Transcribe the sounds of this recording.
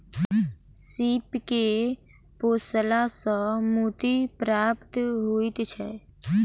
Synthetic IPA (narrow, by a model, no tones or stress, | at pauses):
siːpke | poːsəlasəmuːt̪ipɾaːpt̪ɦuit̪t͡ʃʰɛ